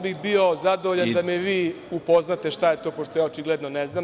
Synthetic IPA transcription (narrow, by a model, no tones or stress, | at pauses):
bixbio̞zad̪oʋoʎand̪ameʋiː | upo̞znat̪e̞ʃt̪aje̞t̪o̞ːpoʃt̪o̞jaːot͡ʃiɡled̪noneznam